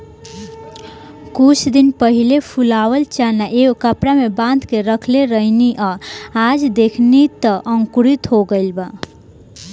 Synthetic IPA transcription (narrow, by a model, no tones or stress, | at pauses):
kut͡ʃʰd̪inpəɦilepʰulawəlt͡ʃanaʔekəpɽamebãnd̪keɾəkʰleɾəɦniʔaad͡ʒd̪ekʰnit̪əʔəŋkuɾit̪ɦoɡəɪlba